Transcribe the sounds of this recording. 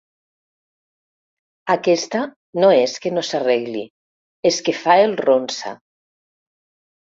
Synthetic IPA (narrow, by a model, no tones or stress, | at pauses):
akɛst̪a | noeskenosareɣli | eskefaelˠronsa̰